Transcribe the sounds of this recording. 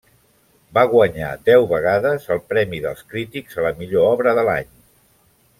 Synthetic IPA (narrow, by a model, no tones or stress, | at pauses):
baɣwəɲa̰d̪ɛwβəɣ̞aðəzəlˠpɾɛmiðə̰lˠskɾit̪ikzələmiʎoɔβɾəðəla̰ɲ